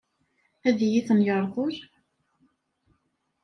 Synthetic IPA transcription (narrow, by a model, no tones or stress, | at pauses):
æðjiθənjəɾˤðʊɾ